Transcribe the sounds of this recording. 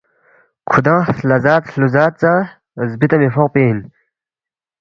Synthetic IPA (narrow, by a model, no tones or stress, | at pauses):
kʰud̪ãːlɐzaːt̪luzaːt̪̚t͡sa | zbit̪ɐmefoq̚peːin